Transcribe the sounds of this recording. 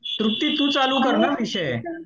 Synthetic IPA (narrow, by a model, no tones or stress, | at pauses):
t̪ɾʊk̚t̪it̪ũt͡ʃalukəɾnaʋiʃe